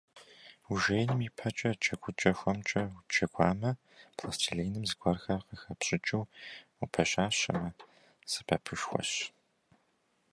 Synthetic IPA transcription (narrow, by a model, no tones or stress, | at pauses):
uʒejnɨmiːpʰɐt͡ʃʼɐt͡ʃʼɐɡʷʊt͡ʃʼɐxʷɔmt͡ʃʼɐt͡ʃʰʼɐɡʷɑːmɐ | pʰlɐst͡ʃʰiɮeːjnɨmzɨɡʷɐrxɐrqəxɐpɕʼɪt͡ʃʼɪwupʰɐɕʼaːɕɐ̰mɐ | sɨ̥pʰɐpʰɨʃxʷɔ̰ɕ